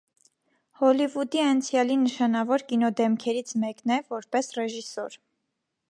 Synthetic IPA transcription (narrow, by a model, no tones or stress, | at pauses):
hɔlivud̪iɑnt͡sʰjɑlinəʃɑnɑvɔɾkinɔd̪ɛmkʰɛɾit͡sʰmɛknɛvɔɾpɛsrɛʒisɔɾ